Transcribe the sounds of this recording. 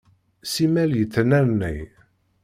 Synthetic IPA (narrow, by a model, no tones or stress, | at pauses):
simæljəθːnæɾnːḭj